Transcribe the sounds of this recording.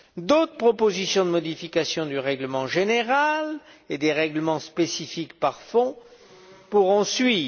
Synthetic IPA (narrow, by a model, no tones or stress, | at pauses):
d̪ot̪χəpχɔpozisjɔ̃d̪əmɔd̪ifikasjɔ̃d̪yʁɛɡləmɑ̃ʒeneʁaled̪eʁɛɡləmɑ̃spesifikpaʁfɔ̃ | puʁɔ̃sɥiːv